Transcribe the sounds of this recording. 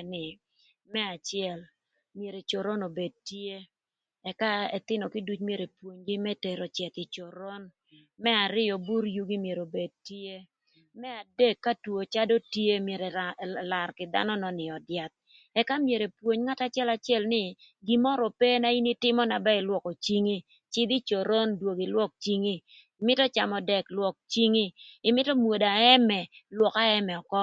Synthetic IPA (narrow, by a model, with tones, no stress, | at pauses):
nɪ˨ | mɛ˦a˨t͡ʃɪɛ˨l | mje˨ɾe˨t͡ʃo˨ɾo˦no˨be˨d̚tje˦ | ɛ˨ka˦ɛ˨t̪ɪ˦nɔ˨ki˦du˦t͡ʃmje˨ɾe˨pwo˨ɲɡi˦mɛ˦tɛ˨ɾɔ˨t͡ʃɛ˨t̪ɪ˨t͡ʃo˨ɾo˦n | mɛ˦a˨ɾɪ˦jɔ˨bu˦ɾju˦ɡi˦mje˨ɾo˨be˨d̚tije˦ | mɛ˦a˨de˦kːa˦two˨t͡ʃa˦do˦tje˦mje˨ɾe˨la˨rkɪ˨d̪a̰˦nɔ˦nɔ˨nɪ˨ɔ˨dja˨t̪̚ | ɛ˦ka˦mje˨ɾe˨pwo˨ɲŋa˦ta˦t͡ʃjɛ˦la˨t͡ʃjɛ˦lnɪ˦ | ɡi˨mɔ˦ɾɔ˨pɛ˦na˦i˦ni˦tɪ˦mɔ˦na˨bɛ˦ɪ˨lwɔ˨ko˨t͡ʃi˦ŋi˦ | t͡ʃɪ˦d̪i˦t͡ʃo˨ɾo˦ndwo˨ɡi˨lwɔ˦k̚t͡ʃi˦ŋiː˦˨ | mɪ˦tɔ˦t͡ʃa˨mɔ˨dɛ˨klwɔ˨k̚t͡ʃi˦ŋiː˦˨mɪ˦tɔ˦mwo˨da˨ɛ˦mɛ˨lwɔ˨ka˦ɛ˦mɛ˨ɔ˨kɔ˦